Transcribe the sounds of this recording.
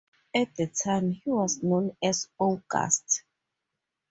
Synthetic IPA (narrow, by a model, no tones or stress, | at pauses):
ɛt̚dətʰãjmhiwɔznõnɛsɔɡa̰st